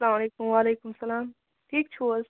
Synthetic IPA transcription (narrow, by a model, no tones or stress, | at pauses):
ɐlaːmɐleːkʊmʋaːleːkʊmsɐlaːm | ʈʰiːkt͡ʃʰuəz